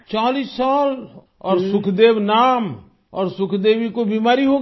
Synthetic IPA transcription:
t͡ʃaːliːsːaːl | ɔːɾsʊkʰd̪eːʋnaːm | ɔːɾsʊkʰd̪eːʋikobiːmaːɾiɦo

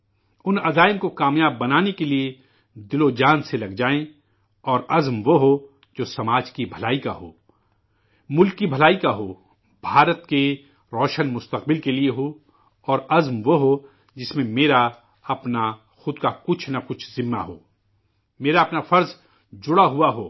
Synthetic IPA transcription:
ʊnɐd̪aːɪmkokaːmjaːbːɐnaːnekelie | d̪ɪlod͡ʒaːnselɐɡd͡ʒaːẽ | ɔːɾɐzmʋoɦo | d͡ʒoːsɐmaːd͡ʒkibʱɐlaːika̰ɦo̰ː | mʊlkːibʱɐlaːikaɦoː | bʱaːɾət̪ke | ɾɔːʃənmʊst̪əq̚bɪlkelieɦo | ɔːɾɐzmʋoɦo | d͡ʒɪsmẽmeːɾa | ɐpna | xʊd̪kakʊt͡ʃʰnɐkʊt͡ʃʰzɪ̃mːa̰ɦo̰ː | meːɾaɐpnafɐɾz | d͡ʒʊɽaɦuaɦoː

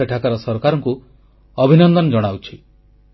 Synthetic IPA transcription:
eʈʰakaɾɔsɔɾkaɾɔŋku | ɔbʱinɔnd̪ɔnd͡ʒɔɽ̃awt͡ʃʰi

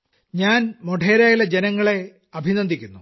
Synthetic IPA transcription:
ɲaːnmoʈeːɾaːjilɐd͡ʑenɐŋːɐɭe̞ | ɐbʱinɐnd̪ikʲːunːu

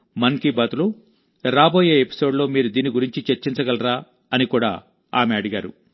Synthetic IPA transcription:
mɐnkibɐt̪ulu | ɾaːbo̞ːje̞ːepi̥so̞ːɖlo̞ːmiːɾud̪iːniɡuɾiɲt͡ʃit͡ʃeɾt͡ʃint͡ʃɐɡɐlɾaː | ɐnikuːɽa̰ː | aːmeɐɽuɡaːɾṵ

